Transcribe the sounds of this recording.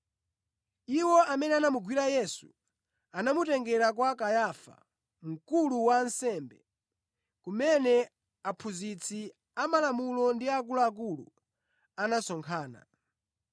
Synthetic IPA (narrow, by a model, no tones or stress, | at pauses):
iwɔamɛnɛanamuɡwiɾajɛsu | anamutɛŋɡɛɾak̬wakajafa̰ | m̩kuluwansɛmbɛ | kumɛnɛ | apʰuzit͡sʰi | amalamulɔndiak̬ulaːk̬ulṵ | anasɔŋkʰaːna̰